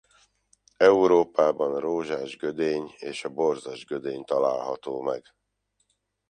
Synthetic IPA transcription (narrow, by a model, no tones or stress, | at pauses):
ɛuɾoːpaːbɒnroːʒaːʒɡød̪eːɲeːʃɒbo̞rzɒʒɡød̪eːɲt̪ɒlaːlɦɒt̪oːmɛɡ